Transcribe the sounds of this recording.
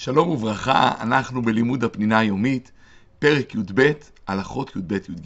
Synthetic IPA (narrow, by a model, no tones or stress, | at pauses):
ʃalo̞muvʁaχa̰a̰naχnube̞limud̪apninaajo̞mit̪ | pe̞ʁekjud̪be̞t̪ | alaχo̞t̪jud̪̚be̞t̪jud̪ɡ